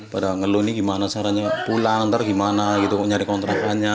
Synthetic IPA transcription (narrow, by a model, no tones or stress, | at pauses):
padaŋəluniɡimanasaɾaɲapulaŋt̪ərɡimanaɡit̪uɲaɾikɔnt̪ɾakaɲa